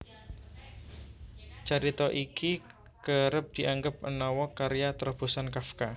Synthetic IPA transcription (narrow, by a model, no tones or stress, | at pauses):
t͡ʃaɾit̪ɔʔiki | kəɾəp̚d̪̥i̤ʔaŋɡəp̚ʔə̰nɔwɔkaɾijat̪ɾɔb̥o̤sankafka